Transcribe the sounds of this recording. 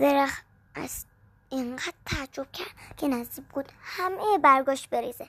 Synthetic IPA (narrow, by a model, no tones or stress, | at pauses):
veɾæx | ʔæ̰z̥ | eɴɢæd̪̥̚t̪ʰæːd͡ʒob̥̚cʰæɾd̪̥kʰenæzd̪ib̚ɡuːd̪̥hæmejbæɾɡɒːʃt̪beɾiːze